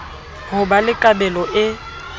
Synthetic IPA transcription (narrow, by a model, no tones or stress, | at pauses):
hʊbalɪkʼabɛlɔʔɪ